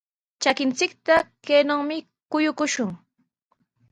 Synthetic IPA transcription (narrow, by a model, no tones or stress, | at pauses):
t͡ʃakɪnt͡sɪkt̪akeːnoŋmɪ | kʊjʊkʊʃʊŋ